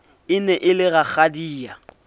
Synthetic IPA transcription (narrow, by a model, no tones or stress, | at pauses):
ɪnɛʔɪlɪɣak͡xadiːa